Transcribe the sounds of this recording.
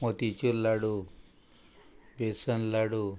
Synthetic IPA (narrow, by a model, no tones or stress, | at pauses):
mot̪it͡ʃulːaɽu | besɐnlaɽu